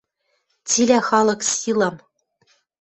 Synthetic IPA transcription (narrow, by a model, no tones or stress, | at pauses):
t͡sʲilʲæχɑlˠɤ̆ksʲilˠɤ̆m